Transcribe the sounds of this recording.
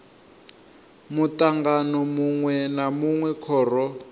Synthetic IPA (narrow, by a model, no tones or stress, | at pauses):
mutaŋɡanɔmuŋwɛnamuŋwɛkʰɔːrɔ